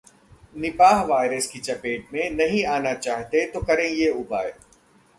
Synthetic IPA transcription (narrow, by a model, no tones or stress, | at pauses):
nɪpaːɦʋaːɪɾəskit͡ʃɐpeːʈ̚mẽnɐɦĩaːnat͡ʃaːɦt̪et̪okɐɾẽjeʊbaːe